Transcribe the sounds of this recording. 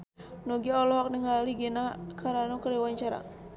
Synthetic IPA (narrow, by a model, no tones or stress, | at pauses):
nɔɡiɔlɔɦɔk̚nəŋaliɡɛnakaɾanɔkəɾiwaɲt͡ʃaɾa̰